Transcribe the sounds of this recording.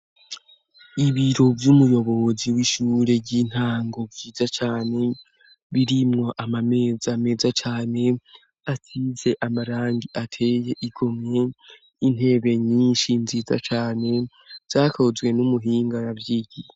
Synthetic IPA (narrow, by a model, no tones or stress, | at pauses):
iβiɾo̞vjumujo̞βo̞βoziwiʃuːɾe̞ɟiːn̥haːŋɡo̞vɟiːzat͡ʃaːne̞ | βiɾimŋo̞ʔamame̞ːzame̞ːzat͡ʃaːne̞ | at͡size̞ʔamaɾaːŋɡiʔatʰe̞ːje̞ʔiɡ̥o̞mɲe̞ | in̥he̞ːβe̞ɲiːnʃinziːza̰t͡ʃaːne̞ | z̥aːkʰo̞zɡwe̞numuɦiːŋɡaɾaβjiɟi